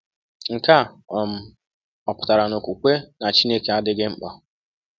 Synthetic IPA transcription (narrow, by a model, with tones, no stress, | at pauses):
ŋ̩˨ka˦˨ | m̩˦ | ɔ˨pʊ̥˨ta˨ɾa˨no˨kʷu˨kʷe˦na˨t͡ʃi˦ne˦ke˨a˦dɪ˦ɡɪ˦m̩˦k͡pɔ˨